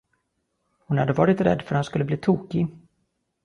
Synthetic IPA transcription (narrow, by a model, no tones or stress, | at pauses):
hʊnhad̪ːəvɑːɾɪt̪ɾɛ̰d̪ːfœɾhanskɵlːəbliːt̪ʰuːkɪ